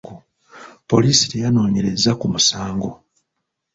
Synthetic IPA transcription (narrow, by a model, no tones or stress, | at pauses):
ɡo | po̞liːsiɾejano̞ːɲe̞ɾe̞zakumusaːŋɡo̞